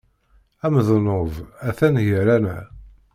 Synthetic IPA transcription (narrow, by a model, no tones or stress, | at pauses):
æməðnovæθænjəɾænæ̰